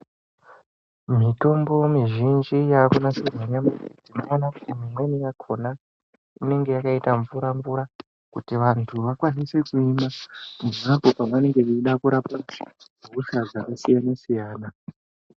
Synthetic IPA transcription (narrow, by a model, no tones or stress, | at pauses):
mito̞mbo̞miʒind͡ʒijakonasinaɲamad͡zimaonaku̥timimwe̞nijakʰo̞na | ine̞ŋɡe̞jakaitaɱvuɾaɱvuɾa | kutiʋantʰuʋakwanise̞kuimamumapopamane̞ŋɡe̞uiɗakuɾapamuɦusazaʔusijanesijaːna